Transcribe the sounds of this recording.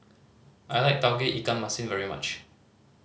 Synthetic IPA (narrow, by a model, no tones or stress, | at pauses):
ʔajlaɪk̚d̥aʊɡeʔikãnmasĩnvɛɹima̰t͡ʃ